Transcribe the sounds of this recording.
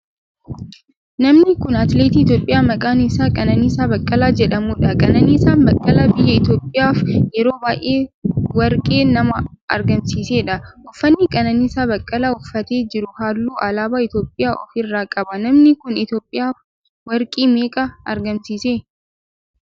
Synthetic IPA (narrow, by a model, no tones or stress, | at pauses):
nɐmnɪkʊnɐt̪leːt̪iːɪt̪jo̞ːpʼːɪjaːmɐkʼaːnɪsaːkʼɐnɐniːsaːbɐkʼːɐlaːd͡ʒɛᶑɐmuːᶑɐkʼɐnɐniːsaːnbɐkʼːɐlaːbɪjːɐɪt̪jo̞ːpʼːɪjaːfjɛɾo̞ːbaːʔʔeːwɐɾkʼe̞ːnɐmɐɐ̰ɾɡɐmsiːseːᶑɐʔʊfːɐnːɪkʼɐnɐnisaːbɐkʼːɐlaːʊfːɐt̪e̞ːd͡ʒɪɾʊhaːlːuːʔɐlaːbaːɪt̪joːpʼːɪjaːʔɔ̰fɪrːaːkʼɐbɐnɐmnɪkʊnɪt̪jo̞ːpʼːɪjaːf | wɐɾkʼiːmeːkʼɐɐ̰ɾɡɐmsiːseː